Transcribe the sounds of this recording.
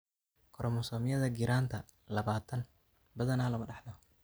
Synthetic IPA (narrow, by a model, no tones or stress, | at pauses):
kʰɔɾɔmɔsɔːmɪjɐðɐɡɪɾʔaːnt̪ʰɐ | lɐβaːt̪ʰɐn | bɐðɐnaːlɐmɐɖɛħnɔ